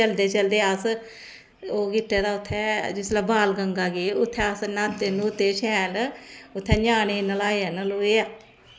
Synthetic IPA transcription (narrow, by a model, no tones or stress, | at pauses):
əld̪eːt͡ʃəld̪eːəs | oːɡɪʈːeːd̪aːʊt̪ʰːɛːd͡ʒɪslabaːlɡəŋɡaːɡeːʊt̪ʰːɛ̃ːəsnat̪ːenũːʊt̪ʰːeːʃɛːlʊt̪ʰːɛ̃ːɲaːnenəlaːeanəloːeaː